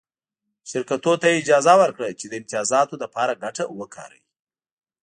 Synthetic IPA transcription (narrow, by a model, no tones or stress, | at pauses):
ʃɪɾkat̪ot̪ajeɪd͡ʒɑzawəɾkɽat͡ʃed̪əɪmt̪ɪjɑzɑt̪od̪apɑɾaɡaʈawəkʰɑ̰ɾa̰wi